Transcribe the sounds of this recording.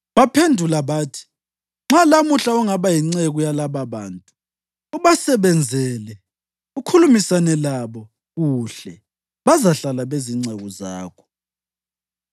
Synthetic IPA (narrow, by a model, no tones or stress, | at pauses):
βapʰendʱulaβaːtʰi̥ | ŋ͡ǁalamuɬauŋaβajiŋ͡ǀeɣujalaβaβaːntʼu | uβasɛβɛnd͡zʱɛlɛ | ukʰulumisanɛlaβɔ | ɣuɬɛ | βazaɬalaβeziŋ͡ǀʱɛɣɔza̰ːkʰɔ̥